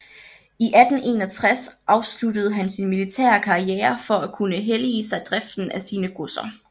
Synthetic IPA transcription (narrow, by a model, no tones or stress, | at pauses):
iʔæd̥n̩ʔe̝ːnɒ̽t͡sʰʁasʔɑ̈ʊslud̥əð̞̩ˠɦænsinmilit͡sʰɛ̰ːɐkʰɑ̈ieːɐfɒ̽ækʰunəɦeliːsɑ̈ɪd̥ʁafd̥n̩ʔæsiːnəɡ̥osɐ̰